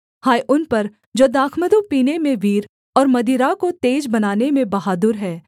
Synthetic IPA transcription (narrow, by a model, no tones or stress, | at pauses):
haːjʔʊnpɐɾ | d͡ʒoːd̪aːkʰməd̪ũpiːnemẽʋiːɾ | ɔːɾmɐd̪iːɾakot̪eːd͡ʒbɐnaːnemẽbɐɦaːd̪ʊɾɦɛː